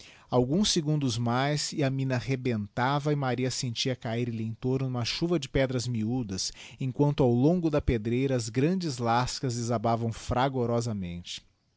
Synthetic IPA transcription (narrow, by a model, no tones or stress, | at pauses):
awɡũsiɡũnd̪ʊzmajsɪɐmĩnɐhebẽnt̪avɐɪmaɾiɐsẽnt͡ʃiɐkaiɾliẽt̪oɾnʊnũmɐʃuvɐd͡ʒɪpɛd̪ɾɐzmiud̪ɐs | ẽkwɐ̃nt̪ʊawlõŋɡʊd̪ɐped̪ɾejɾɐːzɡɾɐ̃nd͡ʒɪzlaskɐzɪzabavɐ̃w̃fɾaɡoɾɔzɐmḛ̃nt͡ʃɪ̥